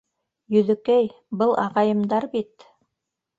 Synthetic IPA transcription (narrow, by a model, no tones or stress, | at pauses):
jɵ̆ðɵ̆kæj | bɤlˠʔɑ̰ʁɑjɤ̆md̪ɑɾbit̪